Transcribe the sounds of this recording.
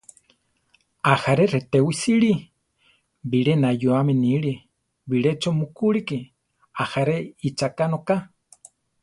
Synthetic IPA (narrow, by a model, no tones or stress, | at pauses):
ahaɾeɾet̪ewisiɺi | biɺenajuaminiɺi | βiɺet͡ʃomukuɺiki | ahaɾeit͡ʃakanoka